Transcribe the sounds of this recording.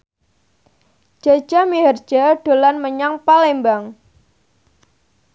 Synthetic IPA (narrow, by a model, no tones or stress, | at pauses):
d͡ʒ̥ḁd͡ʒ̥a̤miɦər̥d͡ʒ̥aɖ̥o̤lanməɲaŋpalɛmbaŋ